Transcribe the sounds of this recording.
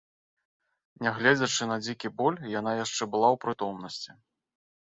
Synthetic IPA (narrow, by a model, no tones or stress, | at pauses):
nʲɛɣlʲɛd͡zʲɐt͡ʂɨnɐd͡zʲikʲibɔlʲjanajaʂt͡ʂɛbɨlˠawpɾɨt̪ɔmnɐsʲt͡sʲi